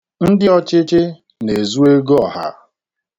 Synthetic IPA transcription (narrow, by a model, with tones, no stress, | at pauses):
n̩˦dɪ˦ɔ˦t͡ʃɪ˦t͡ʃɪ˦ | ne˨zu˦e˦ɡɔ˦˨ha̰˦